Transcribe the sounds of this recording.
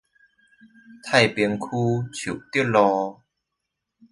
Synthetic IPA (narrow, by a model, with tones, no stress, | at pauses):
t̪ʰa˥˩jpi˧əŋkʰuː˦t͡ɕʰu˨˩wt̪i˥əlɔ˧